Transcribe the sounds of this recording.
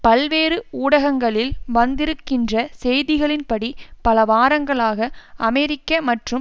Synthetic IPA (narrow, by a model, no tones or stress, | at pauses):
pɐlʋeːɾɯuːɽɐɣɐŋɡɐɭɪlʋɐnd̪ɪɾɯkːɪndrɐsɛjðɪɣɐɭɪnpɐɽipɐlɐʋaːɾɐŋɡɐɭaːɣɐɐmɛɾɪkːɐmɐʈrɯm